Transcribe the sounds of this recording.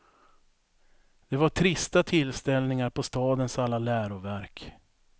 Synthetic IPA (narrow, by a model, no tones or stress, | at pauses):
d̪̥ɛvaʈʰɾɪst̪at̪ʰɪlːst̪ɛlnɪŋaɾpʰɔst̪ɑːd̪ənsalːalæːɾʊvæɾk